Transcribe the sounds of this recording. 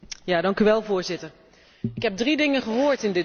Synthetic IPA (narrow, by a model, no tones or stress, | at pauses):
jaːdɑŋkyʋɛlˠvʊːɹzɪtəɹ | ɪkɦɛb̚dridɪŋənχəɦoːɹtɪndɪ